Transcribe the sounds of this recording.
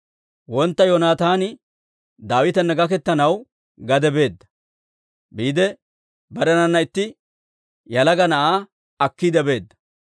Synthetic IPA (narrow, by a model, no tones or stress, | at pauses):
wɔnt̪ːɐjoːnaːt̪aːnɪ | d̪aːwɪt̪ɐnːɐɡɐkɛt̪ːɐnɐw | ɡɐd̪ɛbe̞ːd̪ːɐ̥ | biːd̪ɛ | bɐɾɛnɐnːɐɪt̪ːɪ | jɐlɐɡɐnɐʔaː | ɐkːiːd̪ɛbe̞ːd̪ːɐ̥